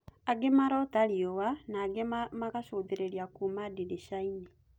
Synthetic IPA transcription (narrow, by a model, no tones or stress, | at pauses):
aɡemaɾɔtaɾiowanaːɡemaɣaʃoːðeɾeɾjakumadideʃaini